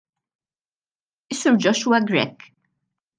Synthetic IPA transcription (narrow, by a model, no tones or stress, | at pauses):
ɪsːʊɾd͡ʒɔʃwɐɡɾɛ̰kː